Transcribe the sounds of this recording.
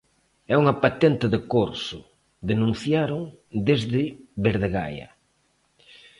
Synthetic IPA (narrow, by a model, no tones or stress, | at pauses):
ɛuŋɐpat̪ent̪ɪðɪkoɾsʊ | d̪enũn̟θjaɾoŋ | d̪ezðɪβeɾðeɣa̰jɐ̰